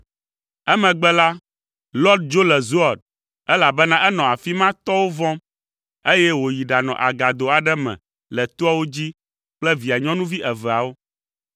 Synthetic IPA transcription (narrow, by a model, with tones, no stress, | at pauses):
ɛ˦mɛ̃˨ɡ͡bɛ˦la˦ | lɔ˦d̪̚d͡ʒo˦lɛ˨zo˦a˨d̪̚ | ɛ˦la˨bɛ˦nã˦ʔɛ˦nɔ̃˨a˨fi˦mã˦t̪ɔ˦wo˦vɔ̃˦m | e˦jɛ˦wo˨ji˨ɖa˨nɔ̰̃˨ʔa˨ɡa˨d̪o˨a˨ɖɛ˦mɛ̰̃˨ | lɛ˨t̪o˦a˦wo˦d͡ʑi˦ | k͡plɛ˦vi˨a˨ɲɔ̃˦nũ˦vi˦ʔɛ˨vɛ˨a˨wo˦